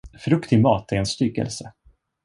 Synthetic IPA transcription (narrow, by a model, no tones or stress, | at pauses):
fɾɵkt̪ʰɪɡmɑ̰ːt̪æɾɛnst̪ʏːɡɛ̰lsə